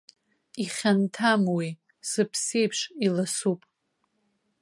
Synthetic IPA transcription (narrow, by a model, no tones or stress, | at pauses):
iχʲantʰamwi | z̥ɨpʰsejpʰʂilasupʼ